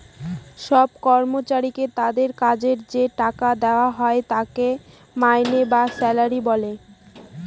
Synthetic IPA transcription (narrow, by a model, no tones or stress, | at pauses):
ʃɔb̚kɔɾmot͡ɕaɾiket̪ad̪eɾkad͡ʑeɾd͡ʑeʈakad̪eoaɦɔet̪ake | majnebasɛlaɾibɔle